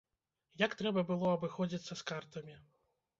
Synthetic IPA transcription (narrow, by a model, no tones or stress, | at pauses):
jakt̪ɾɛbɐbɨlˠɔɐbɨxɔd͡zʲit̪sːɐskart̪ɐmʲi